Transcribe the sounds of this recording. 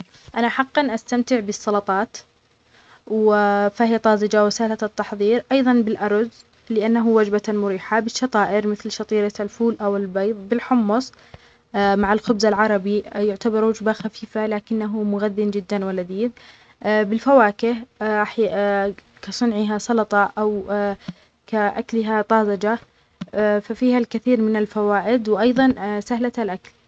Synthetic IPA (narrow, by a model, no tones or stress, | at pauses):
ʔanaħɑqːɑnʔast̪amt̪ɪʕbɨsˤːɑlɑt̪ˤɑːt̪ | wɪfahɪjat̪ˤɑːzˤɪd͡ʒawɪsaːlat̪ːɑħðˤiːɾʔɑjðˤɑnbɪlʔɑɾˤz | lɪʔanːaɦuwad͡ʒbamʊɾiːħabɪʃːɑt̪ˤɑːʔɪɾmɪθlʃɑt̪ˤiːɾalfuːlʔawɪlbɑjðˤbɪlħʊmːʊsˤ | maʕɪlxʊbzalʕɑɾˤɑbijʊʕt̪abɑɾˤwad͡ʒbaxafiːfalaːkɪnːaɦumʊɣaðːɪnd͡ʒɪd̪ːanwalad̪iːð | bɪlfawaːkɪhɾaħ | kasˤʊnʕɪɦasˤɑlɑt̪ˤɑʔaw | kaʔa̰klɪɦat̪ˤɑːzɑd͡ʒa | fafiːhalkɪθiːɾmɪnalfawaːʔɪd̪wʔɑjðˤɑnsahlaalʔakl